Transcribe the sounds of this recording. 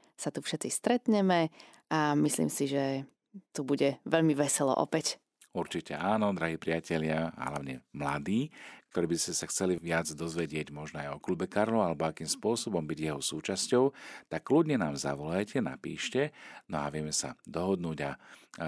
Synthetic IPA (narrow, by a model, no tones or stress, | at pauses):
sat̪ufʃɛt͡sist̪ɾɛt̪ɲɛmɛ | amislḭːmsiʒɛ | t̪ubuɟɛʋɛʎmiʋɛsɛlɔ̰ʔɔ̰pɛc | uɾt͡ʃicɛ̰aːnɔd̪ɾaɦiːpɾiacɛʎɪaa̰ɦla̰ʊɲɛmla̰d̪iːk̚t̪ɔɾiːbiscɛsaxt͡sɛliʋɪad͡zd̪ɔzʋɛɟɪɛɟmɔʒnɔajɔklubɛkaɾlɔʊalɛbɔakiːmspʊɔsɔbɔmbiɟjɛɦɔsuːt͡ʃascɔʊt̪akːluɟɲɛnaːmza̰ʋɔlajcɛna̰pḭːʃcɛnɔa̰ʋɪɛmɛsa̰d̪ɔɦɔd̪nuːɟa